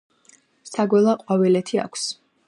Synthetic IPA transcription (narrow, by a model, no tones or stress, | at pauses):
saɡwɛlˠaqʼwavilɛt̪ʰia̰kʰs